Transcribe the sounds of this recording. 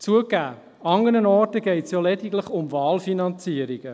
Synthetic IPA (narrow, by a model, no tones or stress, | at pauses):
t͡suəkæ̰ː | ɑŋənənɔːrtəɡ̥ɛɪtsjɔlɛdiɡləχʊmvɑːlfinɑnt͡siəɾiɡ̥ə